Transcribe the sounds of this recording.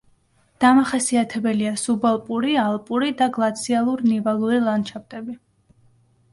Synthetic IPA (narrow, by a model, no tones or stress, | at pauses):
d̪̥amaχasiat̪ʰɛbɛliasubalˠpʼuɾialˠpʼuɾid̪aɡlˠat̪sʰialˠuɾnivalˠuɾilˠant͡ʃʰap̚t̪ʼɛbi